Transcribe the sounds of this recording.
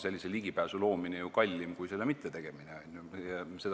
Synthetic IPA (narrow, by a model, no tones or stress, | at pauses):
se̞lʲːiseliɡ̥ipæːsulo̞ːminejukɑlʲːimkujse̞lːemit̪ːˑet̪eɡ̥e̞mineɑnʲjuɑse̞t̪